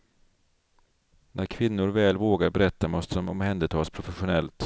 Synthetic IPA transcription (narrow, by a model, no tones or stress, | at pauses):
nʔæɾkʰvɪnːʊɾvɛːlvoːɡaɾbɛɾɛt̪ːamɔst̪əd̪ɔmɔmhɛnd̪ət̪ʰɑːspʰɾʊfɛɧʊnɛlt̪